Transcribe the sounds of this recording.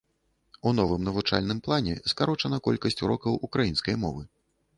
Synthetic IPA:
unɔvɨmnɐvut͡ʂa̰lʲnɨmplˠanʲɛ̰skaɾɔt͡ʂɐnɐkɔlʲkɐsʲt͡sʲuɾɔkɐwʔukɾajin̪skɐjmɔ̰vɨ

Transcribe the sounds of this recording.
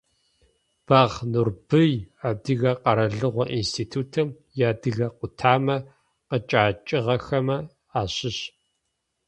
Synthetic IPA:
b̥aːʁnurb̥ɨjaːdɨɣɐqɐɾɐɮɨʁʷɔʔinstʰiːtʰuːtʰɨm | jaːdɨɣɐqʷʊtʰaːmɐ | qət͡ʃʼaːt͡ʃʼɪʁɐxɐmɐ | aːɕɪɕ

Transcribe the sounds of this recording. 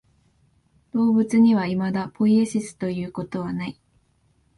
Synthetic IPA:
d̪̥o̞ːbɯ̟t͡sɨɲ̟iβaimad̪apʰo̞ieɕisɨ̥t̪o̞jɯ̟ːko̞t̪o̞β̞anai

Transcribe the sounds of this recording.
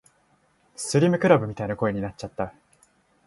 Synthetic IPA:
sɨɾʲimɯ̟kɯ̟ɾabɯ̟mʲit̪ainako̞e̞ɲ̟inat͡ɕ̚t͡ɕat̪ːa

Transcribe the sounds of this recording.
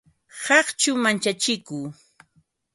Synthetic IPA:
hɑχt͡ʃʊmant͡ʃat͡ʃɪkuː

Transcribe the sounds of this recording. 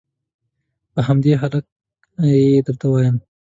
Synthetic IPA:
pəɦamd̪eɦalak̚ | ed̪əlt̪awɑjəm

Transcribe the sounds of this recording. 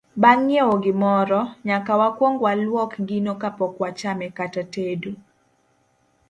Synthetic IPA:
baŋːjeoɡɪmɔɾɔɲakawakwɔŋɡwalwɔkɡinokapɔkwat͡ʃamɛkatatedu

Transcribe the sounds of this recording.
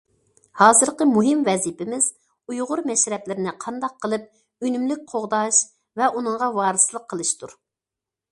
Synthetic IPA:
hɑːzɨɾqəmuɦɪmvɛzipɪmɪz̥ | ujʁʊɾmɛʃɾɛplɪɾɪnɪqʰɑnd̪ɑq̚ʰːəlˠɨp̚ | ynymlyk̚ʲqʰoʁd̪ɑʃ | vɛʔunɨŋʁɑwɑːɾɨsɨlˠəqʰːəlˠɨʃt̪ʰuɾ

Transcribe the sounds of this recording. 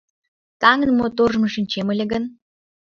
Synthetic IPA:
t̪ɑŋə̆nmot̪orʒmɤ̆ʃĭnt͡ɕemɘ̆lʲĕɡə̆n

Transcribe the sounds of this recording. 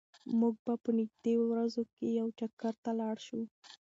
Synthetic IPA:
muɡ̚bapənɪɡ̚d̪ewɾazokejawt͡ʃakaɾt̪alɑɽʃu

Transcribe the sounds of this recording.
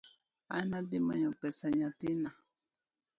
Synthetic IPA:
a̰nad̪imaɲokesaɲat̪ina

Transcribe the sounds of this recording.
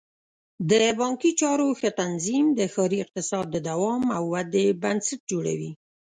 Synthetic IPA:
d̪əbɑŋkit͡ʃɑɾoxət̪anzimd̪əxɑɾiɪq̚t̪ɪsɑd̪ːəd̪awɑmawːad̪ebansaʈ̚d͡ʒoɽa̰wi

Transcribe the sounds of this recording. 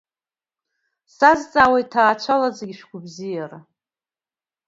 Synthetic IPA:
sazt͡sʼaːwejtʰaːt͡ʃʷʰalad͡zaɡʲiʃᶣkʷʊbzijara

